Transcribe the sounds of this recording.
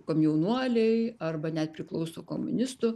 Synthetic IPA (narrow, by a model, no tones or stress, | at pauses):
koːmjɛʊnuɔlʲɛɪɐrbɐnʲɛt̪̚pʲɾʲɪklˠɐʊsoːkomʊ̰nʲɪst̪ʊ